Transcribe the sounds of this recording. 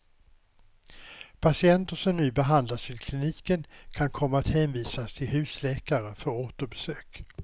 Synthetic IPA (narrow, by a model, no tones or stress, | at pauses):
pʰasɪɛnt̪əʂɔmnʉ̟ːbɛɦand̪laʂɪlkʰlɪniːkənkʰankʰɔmːaat̪hɛːnviːsast̪ʰɪlhʉ̟ːslɛːkaɾəfœɾoːt̪əɾbɛsøːk